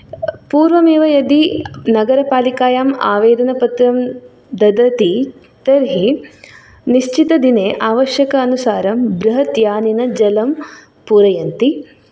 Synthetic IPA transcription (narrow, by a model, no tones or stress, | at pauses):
puːɾʋɐmeːʋɐjɐd̪inɐɡɐɾɐpaːlikaːjaːmaːʋeːɾɐnɐpɐt̪ɾɐm | d̪ɐd̪ɐt̪i | t̪ɐɾɦi | niʃt͡ʃit̪ɐd̪ineːʔaːʋɐʃjɐkɐːnusaːɾɐmbɾɐɦɐt̪jaːninɐd͡ʒɐlɐm | puɾɐjɐnt̪i